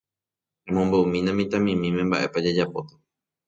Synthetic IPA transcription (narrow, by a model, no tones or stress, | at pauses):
hẽmõmboumĩnãmĩt̪ãmĩmĩmẽ̞mba̰ʔe̞pad͡ʒed͡ʒapot̪ḁ